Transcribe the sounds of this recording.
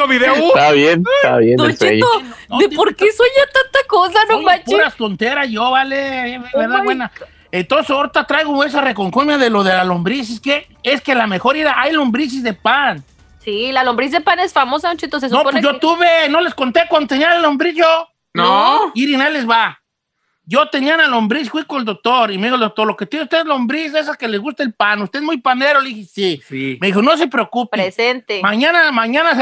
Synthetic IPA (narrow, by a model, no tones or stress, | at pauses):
oβiðeaβjent̪aβjend̪ot͡ʃḭt̪ood̪epoɾkesojat̪ant̪akosanomat͡ʃpuɾast̪ont̪eɾaʝoβaleeβeɾðaβwena | ent̪onseoɾt̪at̪ɾajɣoes̬arekoŋkumjaðelo̞ðelalombɾis̬iske | eskelame̞xo̞ɾiɾaʔajlombɾis̬izðe̞pan | silalombɾiszðepanesfamosaot͡ʃit̪oses̬nopjot̪uβeno̞leskont̪ekwand̪ot̪enialalombɾiʝo | noiɾinalezβa | ɟ͡ʝot̪enianalombɾisfwikoneld̪ok̚t̪oɾimeðixold̪ok̚t̪o̞ɾlo̞ket̪jeneust̪eezlombɾis̬es̬akelezɣust̪aelpanust̪eezmujpaneɾolixisismeðixo̞no̞s̬epɾeokupiɾesent̪emaɲanamaɲanas